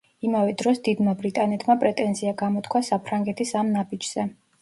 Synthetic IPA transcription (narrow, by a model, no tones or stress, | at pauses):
imavɛd̪ɾɔsd̪id̪mabɾit̪ʼanɛt̪ʰmapʼɾɛt̪ʼɛnziaɡamɔt̪ʰkʰwasapʰɾaŋɡɛt̪ʰisamnabid͡ʒz̥ɛ